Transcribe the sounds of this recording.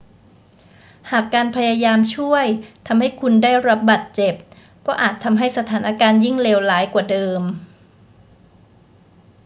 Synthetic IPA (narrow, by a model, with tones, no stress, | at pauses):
haː˨˩kːaː˧npʰa˧jaː˧jaː˧mt͡ɕʰu˥˩əjt̪ʰa˧mha˥˩jkʰu˧ndaː˥˩jɾa˦˥p̚baː˨˩t̪̚t͡ɕe˨˩p̚ | kɔː˥˩ʔaː˨˩t̪ʰːa˧mɦa˥˩jsa˧t̪ʰaː˩˦nʔa˧kaː˧nji˥˩ŋleː˧wlaː˩˦jkwaː˨˩dɤː˧m